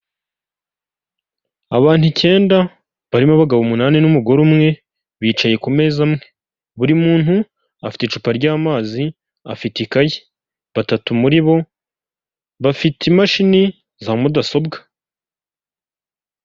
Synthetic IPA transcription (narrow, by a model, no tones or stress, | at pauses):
aβaːn̥huce̞ːnda | βaɾimoβaɡaβumunaːninumuɡo̞ɾumŋe̞ | βiːt͡ʃaje̞kume̞ːzamŋe̞ | βuɾimuːn̥hu | afi̥tet͡ʃupaɾɟaːmaːzi | a̰fitikaji | βatatumuɾiβo̞ | βafiteimaʃini | zaːmudaso̞bɡḁ